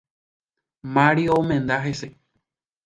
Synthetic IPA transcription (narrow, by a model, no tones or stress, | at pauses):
maɾiomẽnd̪aɦese